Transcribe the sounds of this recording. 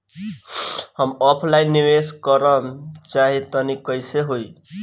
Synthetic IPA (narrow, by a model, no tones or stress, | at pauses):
həmɔpʰlajnːiweskʌɾənt͡ʃaɦit̪ʌnikʌjseɦoj